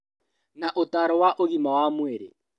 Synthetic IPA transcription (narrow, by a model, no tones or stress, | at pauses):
naʔotaɾɔwaʔoɣimawamweɾḛ